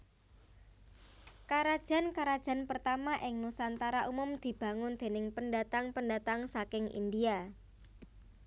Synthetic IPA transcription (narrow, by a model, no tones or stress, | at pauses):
kaɾad̥ʒ̥a̤nkaɾad̥ʒ̥a̤npərt̪amaʔɪŋnusant̪aɾaʔumʊmd̪̥i̤b̥a̤ŋʊnd̪̥e̤nɪŋpəndat̪aŋpəndat̪aŋsakɪŋʔḭndia